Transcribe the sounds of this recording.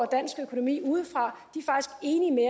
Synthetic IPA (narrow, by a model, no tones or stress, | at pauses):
ɒd̥æn̰sɡ̥əøkʰo̝no̝mḭːuːð̞̩ˠfʁɑ̈d̥ifɑ̈ɡ̥isɡ̥e̝ːnime